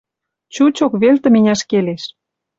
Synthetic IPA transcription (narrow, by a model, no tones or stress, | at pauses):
t͡ɕut͡ɕokβelt̪ə̆menʲæʃkeleʃ